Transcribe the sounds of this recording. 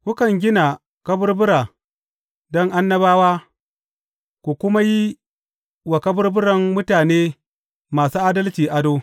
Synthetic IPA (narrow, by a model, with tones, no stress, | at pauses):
kʷʊ˦kɐ˨ŋɡʲɪ˦na˨ | kɐ˦bʊ˦rbʊ˦ɾaː˨ | dɔ˦ŋʔa˦nːɐ˦baː˦waː˦ | kʷu˨kʷʊ˦ma˦ji˦ | wa˨kɐ˦bʊ˦rbʊ˦ɽɐ˨mmʊ˦taː˨neː˦ | maː˨suː˦ʔa˦dɐ˦lt͡ʃiː˨ʔa˦doː˦